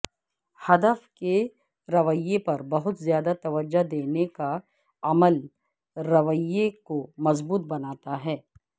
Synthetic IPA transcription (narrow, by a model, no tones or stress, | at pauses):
hɐd̪əfke | ɾɐʋəjepɐɾbɐɦʊt̪zjaːd̪at̪ɐʋəd͡ʒːad̪eːneka | ɐməl | ɾɐʋəjekomɐzbuːt̪̚bɐnaːt̪aɦɛː